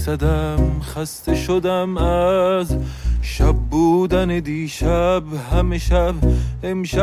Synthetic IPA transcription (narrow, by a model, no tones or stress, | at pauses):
sad̪amxast̪ʰeʃod̪amazʃabːuːd̪aned̪iːʃabhameʃabemʃa